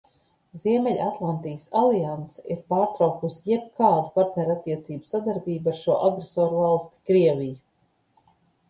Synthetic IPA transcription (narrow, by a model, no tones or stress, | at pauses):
ziɛmɛʎʲat̪lˠant̪ijsalˠiansḁiɾpaːɾt̪ɾawkusijɛb̚kaːd̪upaɾt̪nʲɛɾat̪ʲːiɛt̪siːbu̥sad̪aɾbiːbaɾʃuɔʔaɡɾesɔːɾvalˠst̪i̥kɾiɛvʲiju